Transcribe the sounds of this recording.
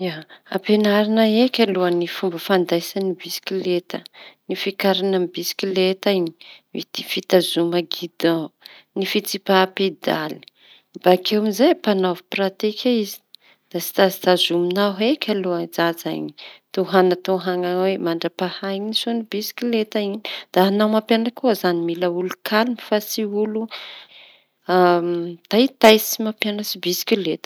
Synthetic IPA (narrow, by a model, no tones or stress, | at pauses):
aapenaɾinaekʲaluənifumbəfand̪ajsanibiskʲilet̪ənifikaɾanambisi̥kilet̪aɲi̥vit̪i̥fit̪azumaɡid̪̥anifit͡sipaped̪ali̥ | bakewmizajpanoviprat̪ikʰʲaizi̥ | d̪̥asi̥t̪asi̥t̪azuminaɦekʲaload͡zaza̰jni̥t̪oɦanat̪oɦaŋawemaɳɖ͡ʐapahajɲinisonibisi̥kʲilet̪ainid̪̥aanawmapjanakʰuzanimiləulukʰalimifasiulu | at̪ajt̪ajsimapjanəsibisi̥kʲilet̪ə̥